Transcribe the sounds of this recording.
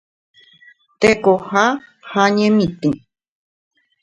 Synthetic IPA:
t̪ekohahaɲẽmĩt̪ẽ

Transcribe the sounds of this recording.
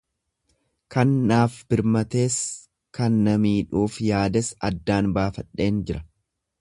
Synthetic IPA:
kɐnːaːfbɪɾmɐt̪e̞ːs | kɐnːɐmiːᶑuːfjaːd̪ɛsɐd̪ːaːnbaːfɐᶑːe̞ːnd͡ʒɪɾɐ

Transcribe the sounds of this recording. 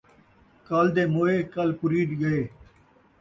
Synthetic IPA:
kaːld̪eːmoːeːkɐlpʊɾiːʈɡəeː

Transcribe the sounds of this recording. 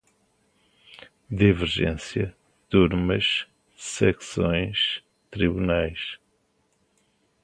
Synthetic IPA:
d̪ivɨɾʒḛ̃sjɐ | t̪uɾmɐʃ | sɛksõj̃ʃ | t̪ɾiβunajʃ

